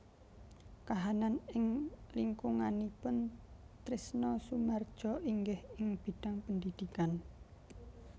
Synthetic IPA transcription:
kaɦananɪŋliŋkʊŋanipʊnt̪ɾɪsnɔsumard̥ʒ̥ɔiŋɡɪhɪŋb̥i̤d̥a̤ŋpəndid̪̥ikan

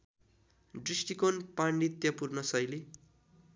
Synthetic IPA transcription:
ɖrisʈikonpaɳɖit̪jʌpurnʌsʌjle

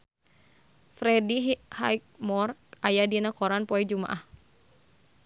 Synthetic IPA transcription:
fɾɛdiɦhajk̚mɔrajadinakɔɾanpɔɛd͡ʒuma̰ʔah

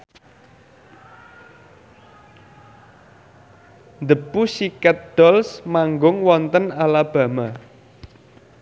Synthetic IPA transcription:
nd̪əpusikat̪̚d̪̥ɔlsmaŋɡʊŋwɔnt̪ənalab̥ä̤ma

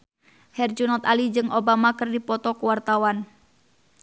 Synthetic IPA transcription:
hɛrd͡ʒunɔt̪alid͡ʒɨŋobamakɨrdipɔt̪ɔkuwart̪awan

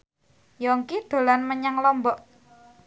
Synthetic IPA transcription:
jɔŋkid̪̥o̤lanməɲaŋlɔmbɔʔ

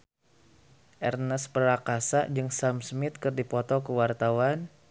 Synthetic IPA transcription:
ʔɛrnəspəɾakasaʔd͡ʒɨŋsamsmɪt̪̚kɨrdipɔt̪ɔkəwart̪awan

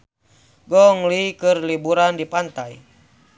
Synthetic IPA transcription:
ɡɔŋlikɨrlibuɾandipant̪aj

